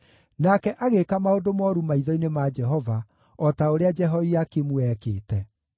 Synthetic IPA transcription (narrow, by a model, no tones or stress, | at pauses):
nakɛʔaɣekamaodomɔɾumaiðɔinemad͡ʒɛɦɔva | ɔtaoɾead͡ʒɛɦɔiakemuɛkeːtɛ